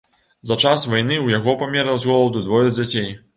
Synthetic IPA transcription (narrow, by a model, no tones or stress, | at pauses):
zat͡ʂasvajnɨwjaɣɔpamʲɛɾɨɾazɣɔlˠɐwd̪ɨd̪vɔjɛd͡zʲat͡sʲej